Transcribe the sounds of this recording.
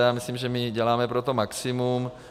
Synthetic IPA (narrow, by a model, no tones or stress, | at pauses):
jaːmislimʒɛmɪɟɛlaːmɛpɾot̪omaksimum